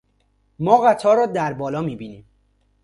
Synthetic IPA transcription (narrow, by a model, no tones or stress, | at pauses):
mɒːɣæt̪ʰɒːɾɒːd̪æɾbɒːlɒːmiːbiːniːm